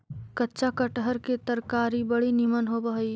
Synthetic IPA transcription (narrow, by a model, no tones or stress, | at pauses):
kətːʃakəʈɦəɾket̪əɾkaːɾibəɽinimənɦobəɦi